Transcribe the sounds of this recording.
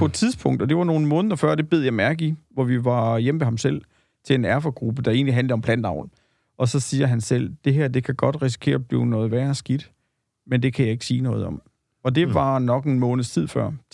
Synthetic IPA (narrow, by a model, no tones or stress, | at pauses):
pʰɒ̽ed̥t͡sʰiðˠspʰɔ̽ŋ̰d̥ɒd̥e̝ʋɑ̈no̝ːn̩mɔ̽ːnð̩ˠɐfɶɐ̰d̥e̝b̥e̝ð̞̰ˠjɑ̈ɪmæɐɡ̥iʋɒʋiʋɑ̈jem̰mehɑ̈msel̰ | t͡sʰe̝le̝næɐfɒɡ̥ʁub̥əd̥ɑ̈e̝̰ːnliɦænləɒ̽mpʰlænd̥ɑ̈ʊ̰n̩ | ʔɒ̽sɒ̽siːɐɦænsel̰d̥e̝ɦæɐ̰d̥e̝kʰæɡ̥ɒ̽d̥ʁis̬i̥kʰe̝̰ːɐb̥lḭːʊnɔ̽ːð̩ˠʋæɐsɡ̥id̥ | mend̥e̝kʰæjɑ̈e̝ɡ̥ə̥siːnɔ̽ːð̞̩ˠɒ̽m | ɒ̽d̥e̝ʋɑ̈nɒ̽ɡ̥enmɔ̽ːnð̩ˠst͡sʰið̰ˠfɶɐ̰